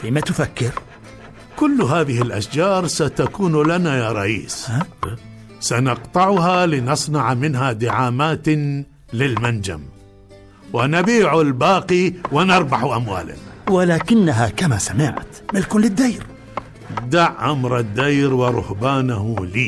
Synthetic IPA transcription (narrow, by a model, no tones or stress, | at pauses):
fiːmat̪ʊfakːɪɾ | kʊlːɦaːðɪhɪlʔaʃd͡ʒɑːɾˤsat̪akuːnlanajaːɾˤɑʔḭːs | sanɑqt̪ˤɑʕɦalɪnɑsˤnɑʕmɪnɦad̪ɪʕaːmaːt̪ | lɪlmand͡ʒa̰m | wɪnabiːʕʊlbaːqiwɪnɑɾˤbɑħʔamwa̰ːla̰nawɪlaːkɪnːaɦakamasamɪʕt̪mɪlkʊnlɪd̪ːajɾ | d̪aʕʔamɾˤɪd̪ːajɾwɪɾˤʊ̰hbaːnaɦliː